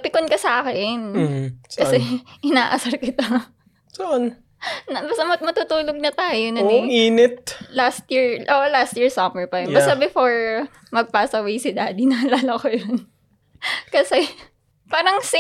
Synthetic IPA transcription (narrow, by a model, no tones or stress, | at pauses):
pɪkonkɐsaːkɛnkɐsɛʔɪnaːʔɐsɐɾkɪt̪o | soʔon | nɐbɐst̪ɐmɐmɐt̪uːt̪uːloɡ̚nɐt̪aːjonɐɪiːnɛt̪̚last̪jiɹʔoʔlast̪jiɹsɐmɛɹpɐjonbɐst̪ɐbɪfoɹ | mɐɡ̚paːsɐwejsɪd̪aːd̪inɐhɐlaːlɐkojon | kɐsɛ | paːɾɐŋsɪ